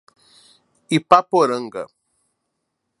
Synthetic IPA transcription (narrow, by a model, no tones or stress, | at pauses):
ipapoɾəŋɡə̰